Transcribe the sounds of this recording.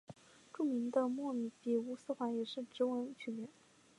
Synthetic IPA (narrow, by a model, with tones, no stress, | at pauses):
ʈ͡ʂu˥˩mi˧˥ŋd̪ə˧mwɔ˥˩mi˨˩pi˨˩u˧˥sɹ̩˥˧xwa˧˥jɛ˨˩ʂɻ̩˥˩ʈ͡ʂɻ̩˧˥wə˧˥nt͡ɕʰy˨˩mɛ˧˥˦n